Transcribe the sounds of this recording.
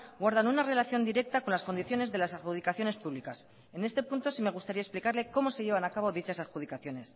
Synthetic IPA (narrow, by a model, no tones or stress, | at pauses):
ɡwaɾðanunare̞laθjo̞nd̪iɾe̞k̚t̪akonlasko̞nd̪iθjo̞ne̞zðe̞lasaxuðikaθjo̞ne̞spuβlikas | e̞ne̞st̪e̞punt̪o̞sime̞ɣ̞ust̪aɾiaesplikaɾle̞ko̞mo̞se̞ʝe̞β̞anakaβ̞o̞ðit͡ʃasaxuð̞ikaθjo̞ne̞s